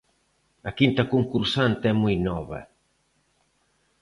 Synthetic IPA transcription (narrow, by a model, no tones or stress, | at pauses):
akint̪ɐkuŋkuɾsant̪ɛmujnɔβɐ̰